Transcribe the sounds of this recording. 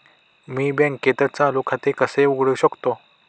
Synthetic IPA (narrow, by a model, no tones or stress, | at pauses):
miːbjẽŋkːet̪əɾt͡salokʰat̪ekəseuɡɽəɕəkt̪o